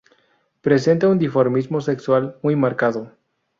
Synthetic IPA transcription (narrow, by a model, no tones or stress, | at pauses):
pɾe̞s̬e̞nt̪aund̪ifoɾmizmo̞se̞kswalmujmaɾkaðo